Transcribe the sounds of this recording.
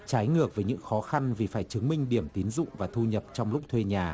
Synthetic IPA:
t͡ɕaː˨˦jŋɨ˨˩ək̚vəː˨˦jɲɨ̰˧˥ŋxɔ˨˦xa˧nvi˨˩faː˧˩jt͡ɕɨ˨˦ŋmï˧ŋ̟ɗi˧˩əmt̪i˨˦nzʊ̰˧˨ŋ͡mvaː˨˩t̪ʰu˧ɲə˨˩p̚t͡ɕɔ˧wŋ͡mlʊ˦˥k͡p̚t̪ʰwe˧ɲaː˨˩

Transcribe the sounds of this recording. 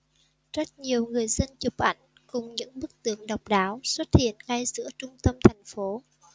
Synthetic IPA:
z̥ə˦˥t̚ɲi˨˩əwŋɨ˨˩əjzə˧nt͡ɕʊ˨˩k͡p̚ʔa̰˧˩jŋ̟ | kʊ˨˩ŋ͡mɲɨ̰˧˥ŋɓɨ˦˥k̚t̪ɨ˧˩əŋɗə˨˩wk͡p̚ɗaː˨˦wswə˦˥t̚hḭ˧˨ənɣa˧jzɨ̰˧˥ət͡ɕʊ˧ŋ͡mt̪ə˧mt̪ʰa˨˩jŋ̟fo˨˦

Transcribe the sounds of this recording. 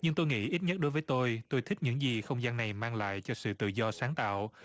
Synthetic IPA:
ɲɨ˧ŋt̪o˧jŋḭ˧˥ʔi˦˥t̚ɲə˦˥t̚ɗo˨˦jvəː˨˦t̪o˧jt̪o˧jt̪ʰï˦˥k̚ɲɨ̰˧˥ŋzi˨˩xə˧wŋ͡mzaː˧nːa˨˩jmaː˧ŋla̰ː˧˨jt͡ɕɔ˧sɨ̰˧˨t̪ɨ̰˧˨zɔ˧saː˨˦ŋt̪a̰ː˧˨w

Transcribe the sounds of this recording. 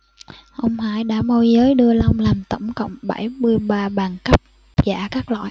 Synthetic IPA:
ʔə˧wŋ͡mha̰ː˧˩jɗa̰ː˧˥mo˧jzəː˨˦jɗɨ˧əla˧wŋ͡mlaː˨˩mt̪ə˧˩ŋ͡mkə̰˧˨wŋ͡mɓə˧˩jmɨ˧əjɓaː˧ɓaː˨˩ŋkə˦˥p̚ | za̰ː˧˩kaː˦˥k̚lɔ̰ː˧˨j

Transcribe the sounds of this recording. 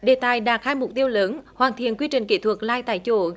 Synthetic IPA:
ɗe˨˩t̪aː˨˩jɗaː˨˩k̚haː˧jmʊ˨˩k͡p̚t̪i˧əwləː˨˦nhwaː˨˩nt̪ʰḭ˧˨ənkwi˧ət͡ɕï˨ŋ̟kḭ˧˩t̪ʰwə˨˩k̚laː˧jt̪a̰ː˧˨jt͡ɕo̰˧˩

